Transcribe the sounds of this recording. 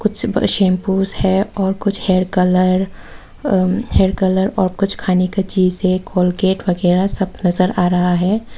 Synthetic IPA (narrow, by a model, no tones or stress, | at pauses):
kʊt͡ʃʰʃẽːmpuːzhɛɔːɾkʊt͡ʃʰheːɾkələɾ | heːɾkələɾɔːɾkʊt͡ʃʰkʰaːneket͡ʃiːzekʰoːlkeːʈwɐɡɛːɾasɐb̚nɐzəɾaːɾɐɦaɦɛː